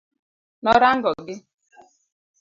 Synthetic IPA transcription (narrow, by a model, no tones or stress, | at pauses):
nɔɾaŋ̩ɡɔɡɪ